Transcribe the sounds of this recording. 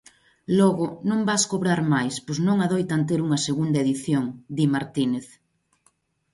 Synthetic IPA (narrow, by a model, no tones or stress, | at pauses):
lɔɣʊnõmbaskoβɾaɾmajspoznõŋaðojt̪ant̪̬eɾuŋɐseɣund̪ɐeðiθjoŋd̪imaɾt̪ineθ